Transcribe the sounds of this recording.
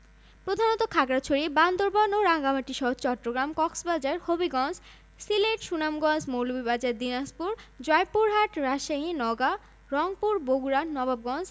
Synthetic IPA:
pɾod̪ʱanot̪okʰakɾat͡ɕʰoɾiband̪oɾbanoɾaŋɡamaʈːiʃɔɦt͡ɕɔʈːɾoɡɾamkɔksbad͡ʑaɾhobiɡɔnd͡ʑ | sileʈʃunamɡɔnd͡ʑmowlubibad͡ʑaɾd̪inaspuɾd͡ʑɔjpuɾɦaʈɾaʃaɦinɔɡa | ɾɔŋpuɾboɡuɾanɔbab̚ɡɔnd͡ʑ

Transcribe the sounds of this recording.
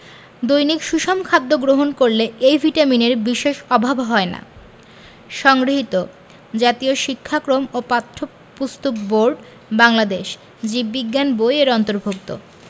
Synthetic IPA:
d̪ojnikʃuʃomkʰad̪ːoɡɾoɦonkoɾleejvʱiʈamineɾbiʃeʃɔbʱabɦɔena̰ | ʃɔŋɡɾoɦit̪o | d͡ʑat̪ioʃikʰːakɾomopat̪ʰːo | pust̪ok̚boɾɖ | baŋlad̪eʃ | d͡ʑibbiɡːanbojeɾɔnt̪oɾbʱuk̚t̪o̰

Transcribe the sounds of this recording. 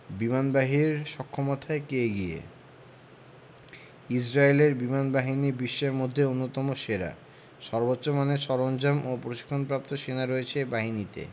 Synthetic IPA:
bimanbaɦiɾʃɔkʰːomot̪ʰaekeɡiḛ | id͡ʑɾaeleɾbimanbaɦinibiʃːeɾmod̪ʱːeonːot̪ɔmoʃeɾa̰ | ʃɔɾbotːɕomaneʃɔɾond͡ʑamopɾoʃi̥kʰːonpɾap̚t̪oʃenaɾoet͡ɕʰebaɦinit̪ḛ

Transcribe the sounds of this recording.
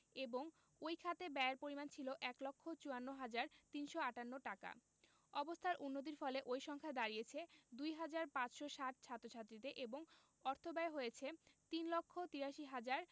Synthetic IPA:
eboŋ | ojkʰat̪ebɛaɾpoɾimant͡ɕʰiloʔɛklokʰːot͡ɕuanːoɦad͡ʑaɾt̪inʃoaʈanːoʈaka̰ | ɔbost̪ʰaɾʔunːot̪̬iɾfɔleʔojʃɔŋkʰaed̪aɾijet͡ɕʰed̪ujɦad͡ʑaɾpãt͡ɕʃoʃaʈ̚t͡ɕʰat̪ːɾot͡ɕʰat̪ːɾit̪eʔeboŋ | ɔɾt̪ʰobaeɦojet͡ɕʰet̪inlokʰːot̪iɾaʃiɦad͡ʑaɾ

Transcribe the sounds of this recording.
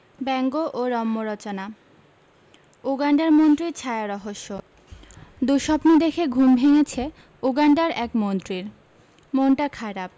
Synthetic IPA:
bɛŋɡoʔoɾɔmːoɾɔt͡ɕona | uɡaɳɖaɾmont̪ɾiɾt͡ɕʰaeaɾɔɦoʃːo | d̪uʃɔpnid̪ekʰeɡʱumbʱeŋet͡ɕʰe | uɡaɳɖaɾɛkmont̪ɾiɾ | moɳʈakʰaɾap̚

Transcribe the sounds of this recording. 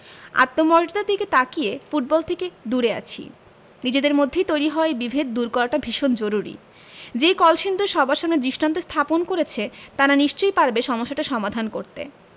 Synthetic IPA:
a̰t̪ːomɔɾd͡ʒd̪aɾd̪iket̪akiefuʈ̚bɔlt̪ʰeked̪uɾea̰t͡ɕʰḭ | nid͡ʑed̪eɾmod̪ʱːejt̪ojɾiɦɔebibʱed̪d̪uɾkɔɾaʈabʱiʃond͡ʑoɾuɾḭ | d͡ʑejkɔlʃind̪ʱoɾʃɔbʱaɾʃamned̪ɾiʃʈant̪ost̪ʰaponkoɾet͡ɕʰet̪aɾaniʃt͡ɕojpaɾbeʃɔmoʃːaʈaʃɔmad̪ʱankoɾt̪ḛ

